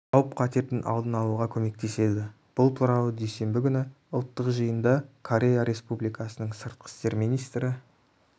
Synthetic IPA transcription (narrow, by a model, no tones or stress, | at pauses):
ɑwəp̚qʰɑt̪e̞ɾt̪ɪnʔɑ̰lˠd̪ənɑlˠuʁɑkʲʰɵme̞k̚t̪ʰe̞se̞d̪ɪ | b̥ʊlˠt̪ʰuɾɑw̪ˠəd̪ejse̞mbɪɡʲʏnɪ | ʊlˠt̪ːəqʒəjənd̪ɑkʰo̞ɾʲe̞jaɾe̞spublijkɑsənəɴsəɾt̪̚qʰə̥st̪e̞ɾmijnijst̪ɾɪ